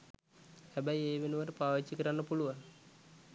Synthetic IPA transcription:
hæbæjeːʋenuʋəʈəpaːʋiːikəɾanːəpuluʋaŋ

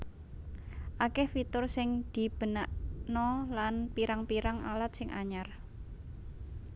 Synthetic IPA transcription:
ʔakɛhfit̪ʊrsɪŋd̪̥i̤b̥ə̤naʔnɔlanpiɾaŋpiɾaŋa̰lat̪̚sɪŋʔa̰ɲar

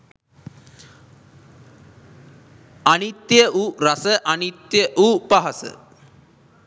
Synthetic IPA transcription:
anit̪jəʔuɾɐsəʔanit̪jəʔupaɦɐsə̰

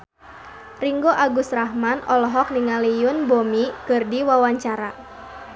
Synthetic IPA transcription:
riŋɡoʔaɡusrahmanɔlɔɦɔk̚niŋalijʊnbomikɨrdiwawaɲt͡ʃaɾa

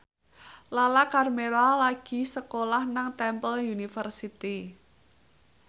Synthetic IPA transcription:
lalakarmeɾalaɡ̥i̤səkolahnaŋt̪ɛmpəljunifərsit̪i

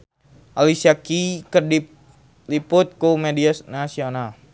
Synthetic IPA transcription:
ʔalisiakikərdip̚ | lipʊt̪̚kumediasnasional

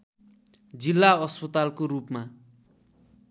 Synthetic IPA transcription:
d͡zilːaʌspʌt̪alkorupma

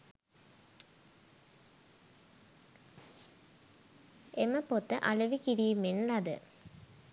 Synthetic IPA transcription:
eməpot̪ːəʔalɐʋikiɾiːmenlɐd̪ə̰

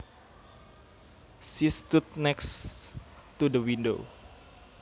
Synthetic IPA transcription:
sist̪ut̪̚nɛks | t̪udəwindo̰

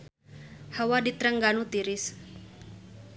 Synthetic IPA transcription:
hawadit̪ɾəŋɡanut̪iɾɪs

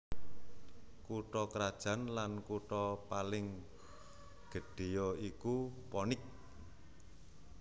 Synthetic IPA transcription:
kuʈɔkɾad̥ʒ̥ä̤nlankuʈɔpalɪŋ | ɡ̥ə̤ɖ̥e̤jɔikupɔnɪk̚

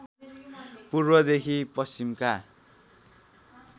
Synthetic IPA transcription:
purbʌd̪ekʰipʌst͡ʃimka

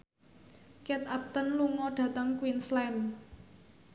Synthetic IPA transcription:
kɛt̪ap̚t̪ənluŋɔɖ̥ä̤t̪əŋkwinslɛn

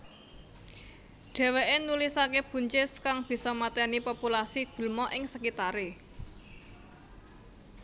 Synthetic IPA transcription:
ɖ̥ɛ̤weʔenulisakeb̥ṳɲt͡ʃɪskaŋb̥i̤sɔmat̪ɛnipopulasiɡ̥ṳlmɔʔɪŋsəkit̪aɾe

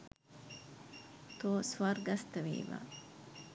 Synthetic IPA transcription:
t̪oːsʋɐɾɡɐst̪ɐʋḭːʋa̰ː

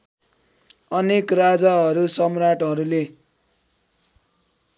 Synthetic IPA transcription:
ʌnekrad͡zaɦʌɾusʌmraʈɦʌɾule

